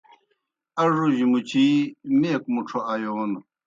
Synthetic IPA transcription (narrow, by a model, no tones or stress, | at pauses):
ɐʐuʑimut͡ɕʰimekmuʈ͡ʂʰoʔajoːn